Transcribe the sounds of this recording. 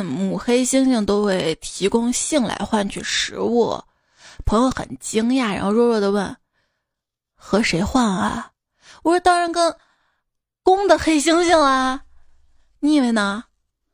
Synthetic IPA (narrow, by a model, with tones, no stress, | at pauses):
mu˨˩xe˥ɪɕi˥ŋɕi˥˩ŋt̪o˥ʊxwe˥˩ɪt̪ʰi˧˥kʊ˥ŋɕi˥˩˧ŋla̰˧˥ɪxwa˥˧nt͡ɕʰy˥˩ʂɻ̩˧˥wɔ̰˥˩ | pʰɤ˧˥ŋjo˧ʊxə̰˨˩nt͡ɕi˥ŋja˥˩ɻ̰n˥xo˥˧ʊɻwɔ˥˧ɻwɔ˥˩d̪ə˧˥wə˥˩n | xɤ˧˥ʂe˧˥ɪxwa˥˩nɐ̰˨˩ | wɔ˧˩ʂt̪ɑ˥ɻa˧˥nkə˥n | kʊ˥ŋd̪ə˨xe˥ɪɕ̬i˥ŋɕi˥˩ŋɐ˩ | ni˧˥˩we˧˩ɪnə˩